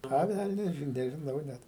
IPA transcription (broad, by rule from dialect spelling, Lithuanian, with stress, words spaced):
ˈɐ ˈʋʲælʲnʲɛs ˈʒʲɪn nʲɛʒʲɪˈnɐʊ ˈnʲɛt